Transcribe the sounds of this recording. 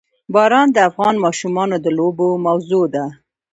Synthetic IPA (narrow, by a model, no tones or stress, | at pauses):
bɑɾɑnd̪əafɣɑnmɑʃumɑnod̪əlobomawzod̪a